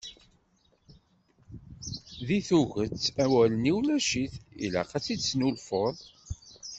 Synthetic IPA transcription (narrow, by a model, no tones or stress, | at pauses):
ðiθuɣət͡sːæwæləniwlæʃiθḭlæ̰qæt͡sːit͡sːnulfoðˤ